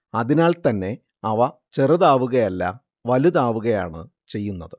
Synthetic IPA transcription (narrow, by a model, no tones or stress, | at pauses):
ɐðinaːɭt̪ɐnːe̞ | ɐʋɐt͡ɕerɐðaːʋuɣɐjɐlːa̰ | ʋɐluðaːʋuɣɐja̰ːɳɨ | t͡ɕe̞jːunːɐðɨ